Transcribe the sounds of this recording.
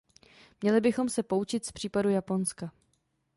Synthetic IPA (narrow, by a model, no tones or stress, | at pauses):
mɲɛlɪbɪxo̞msɛpo̞ut͡ʃɪt̪spr̝̥iːpadujapo̞nska